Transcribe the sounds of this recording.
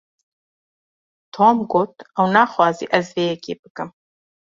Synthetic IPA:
t̪ʰoːmɡoːt̪ɛwnaːxwɑːzḭːʔɐzveːjɛkeːbɨkɨm

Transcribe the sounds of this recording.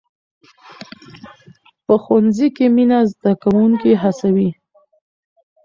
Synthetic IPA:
pəxwanzikeminazd̪akawuŋkiɦasawi

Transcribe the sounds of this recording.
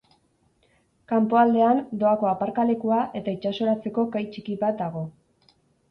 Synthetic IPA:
kampo̞ald̪e̞and̪o̞ako̞apaɾkale̞kuaʔe̞t̪ait͡ʃaso̞ɾat͡se̞ko̞kajt͡ʃikiβat̪̚d̪aɣ̞o̞

